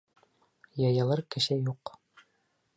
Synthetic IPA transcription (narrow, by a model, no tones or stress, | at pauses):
jɑjɑlˠɤɾkɘ̆ʃæjuq